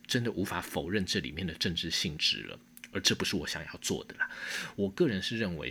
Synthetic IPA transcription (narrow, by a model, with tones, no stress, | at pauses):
ʈ͡ʂə˦˥nd̪ə˨ʔu˧˥fa˧˥fo˨˩ʊɻə˥˧nʈ͡ʂɤ˥˩lḭ˨˩mjɛ˥˩nd̪ə˩ʈ͡ʂə˥˧ŋʈ͡ʂɻ̩˥˧ɕi˥˩ŋʈ͡ʂɻ̩̰˧˥lə̰˧ | ə˞˨˧˥ʈ͡ʂɤ˥˩pu˧˥ʂɻ̩˥˩wɔ˨˧˦ɕjɑ˨˩ŋjɑ˥˧ʊt͡swɔ̰˥˩d̪ə˩lə˩wɔ˨˩kɤ˥˩ɻə˧˥nʂɻ̩˥˧ɻə˥˩nwḛ˧˥ɪ